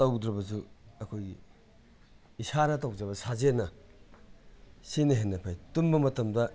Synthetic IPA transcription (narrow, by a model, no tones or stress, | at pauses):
tɐwd̪ɾɐbɐs̬uɐkʰoji | isaɾɐtɐwd͡ʒɐβɐsazenɐ | sinɐɦenːɐpʰajtumbɐmɐtɐmdɐ